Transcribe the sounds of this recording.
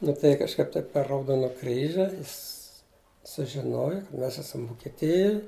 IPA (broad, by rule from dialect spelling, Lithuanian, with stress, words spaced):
nʊ tɐɪ kɐʃˈkɐɪp ˈtɐɪp pʲɛr rɐʊˈdoːnɐ ˈkrʲiːʒʲɪ ˈjɪs sʊʒʲɪˈnoːjʊ kɐ ˈmʲɛs ˈæːsɐm ʋʊkʲɛˈtʲɪjʊj